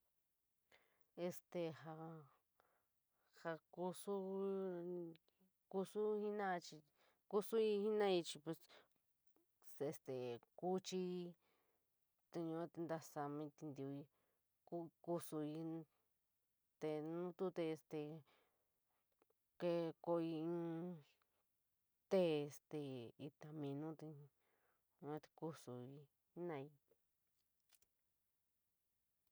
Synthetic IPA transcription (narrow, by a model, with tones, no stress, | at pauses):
e˧st̪e˧ha˧ | ha˧ku˧su˦ | ku˧su˦hi˦nã˦˧t͡ʃi˧ | ku˦su˦i˧hi˦nã˦i˧t͡ʃi˧pe˧s | se˧st̪e˨ku˦t͡ʃi˧˦ | t̪e˧ɲũ˧a˦t̪e˧nd̪a˧sa˧mĩ˧t̪i˧nd̪i˧˨u˧i˧ | ku˦ku˦su˧i˧ | t̪e˧nũ˦t̪u˦t̪eː˧st̪e˧ | ke˧ko˧ĩ˧˦ | t̪e˦e˧st̪e˨i˧t̪a˧mĩ˧nũ˦t̪e˧ | ɲ˧ã˦t̪e̥˧ku˦su˨i˧˦ | nã˧i˧